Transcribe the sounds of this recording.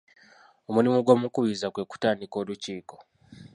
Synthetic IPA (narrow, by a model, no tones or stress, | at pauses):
o̞mulimuɡo̞ːmukuβizakwe̞ku̥taːndiko̞ːluciːko̞